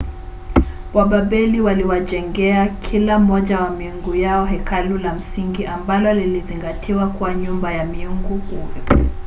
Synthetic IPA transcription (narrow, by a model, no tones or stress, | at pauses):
baɓaɓɛliwaliwaʄɛŋɡɛakʰilam̩ɔʄawamiuŋɡujaɔɦɛkʰalulam̩siŋɡiʔambalɔliliziŋɡatʰiwakuwaɲumbajamiuŋɡukuɛ